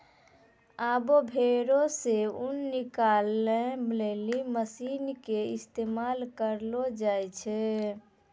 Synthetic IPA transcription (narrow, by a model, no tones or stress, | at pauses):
abobʱeɾoseunːikalːemleliməsinkeɪst̪emalkəɾlod͡ʒajt͡ʃʰɛ